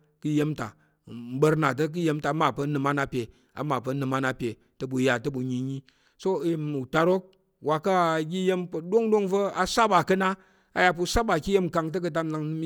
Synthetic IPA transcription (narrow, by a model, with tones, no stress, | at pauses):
kɨ˦je˦mta̰˨ | m̩˦bə˧ɾna˨t̬ɐ˦k̬ɨ˦je˦mta˨˦ma˨pɐ˧˦nɨ˧ma˦na˦pʲe˨ | a̰˨ma˨pɐ˨˧nɨ˧ma˦na˦pʲe˨ | tɐ˦bu˨ja˨tɐ˦bu˨ɲi˨ɲi˦ | so˦i˨mu˨ta˧ɾo˦k̚ | wa˨ka˦˨ɡʲi˦je˦mpɐ˨do˦ŋdo˦ŋvɐ˦a˨sa˦ba˨kɐ˦na˦ | a̰˨ja˧p̬u˧sa˦ba˨kʲi˦je˦m˨ka˧ŋt̬ɐ˦k̬ɨ˧t̬a˦mna˧ŋnɨ˦m